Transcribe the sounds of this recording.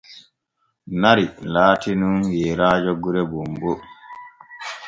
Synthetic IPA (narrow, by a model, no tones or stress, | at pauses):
naɾilaːtinunjɛɾaːd͡ʒɔɡuɾɛbumbɔ